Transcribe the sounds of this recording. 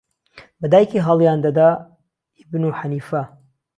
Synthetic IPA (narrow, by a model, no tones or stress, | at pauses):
bɐd̪aːjekiɦɑlˠjaːnd̪ɐd̪a | ibnuħaniːfɐ